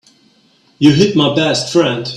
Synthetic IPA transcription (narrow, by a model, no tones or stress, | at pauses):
jɨɦɪt̚maɪbɛstfɹɛ̃nd̥